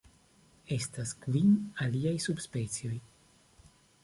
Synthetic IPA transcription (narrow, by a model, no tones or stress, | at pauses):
e̞staskvinaliajsubspe̞t͡sijo̞j